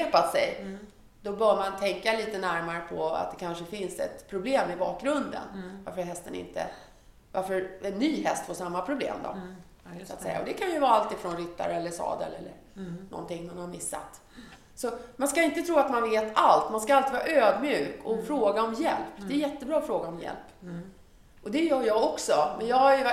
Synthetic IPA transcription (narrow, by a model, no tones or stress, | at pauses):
eːpat̪sɛj | d̪ɔbœːmant̪ʰɛŋkaliːt̪ənæɾmaɾəpʰɔa̰t̪̚d̪ɛkʰanʂəfɪnsɛ̰t̪pʰɾʊbleːmɪbɑːk̚ɡɾɵnd̪ə̰nva̰ɾfœɾɦɛst̪ənɪ̰nt̪ʰə̰ | vaɾfœɾɛnːyːɦɛst̪foʂamːapʰɾʊblḛːmd̪ɔ̰ | sʊat̪sɛ̰jːa̰ɔd̪ɛkʰanjɵvɑːɾalt̪iːfɾɔnɾɪt̪ːa̰ɾɛlːəʂɑ̰ːd̪ɛ̰lɛ̰lːə̰ɾnɔ̰nt̪ɪŋːmanhaɾmɪsːa̰t̪ | sɔmanskaɪnt̪ət̪ʰɾuːat̪manveːt̪alt̪manskaalt̪iːvɑːɾaʔøːd̪mjʉːkɔfɾoːɡaɔmjɛ̰lpːd̪ɛːjɛt̪ːəbɾɑːɔfɾoːɡaɔmjɛ̰lpː | ʔɔd̪ɛjœːjɑːɡɔksɔmɛnjɑːhaj